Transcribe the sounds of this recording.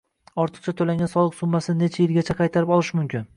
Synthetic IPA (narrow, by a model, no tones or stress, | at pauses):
ɒɾt̪ʰɨ̥q̚t͡ʃʰat̪ʰolaŋʲansɒlˠɨqsʊmːasɪnet͡ʃʰajɪlɡʲat͡ʃʰaqʰɑjt̪ʰaɾɪpɒlˠɪʃmʊmkʲɪn